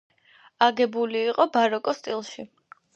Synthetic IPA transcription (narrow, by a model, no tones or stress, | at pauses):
aɡɛbuliːqʼɔbaɾɔkʼɔst̪ʼilˠʃi